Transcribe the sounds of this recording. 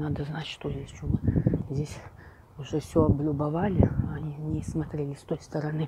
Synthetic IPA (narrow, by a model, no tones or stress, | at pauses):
nad̪əznat͡ɕʲʂt̪ojʲesʲt͡ʃomɨzʲdʲesʲ | ʊʐɛfsʲoɐblʲʊbɐvalʲɪɐnʲinʲɪsmɐt̪ɾʲelʲɪst̪ojst̪əɾɐnɨ